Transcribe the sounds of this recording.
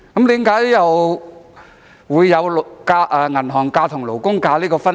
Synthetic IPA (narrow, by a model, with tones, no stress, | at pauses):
kɐ˨˦mt̪iː˨˥mkaː˨˥jjɐ˨w | wuː˨˧jːɐ˨˧wlkaː˧ʔɛː˨˩ŋɐ˨˩nɦɔː˨˩ŋkaː˧t̪ʰʊ˨˩ŋlo˨˩wkʊ˥ŋkaː˧liː˥kɔː˧fɐ˥n